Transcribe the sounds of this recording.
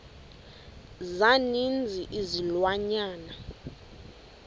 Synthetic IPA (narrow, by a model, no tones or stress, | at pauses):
zanind͡zʱiʔizilwaɲaːna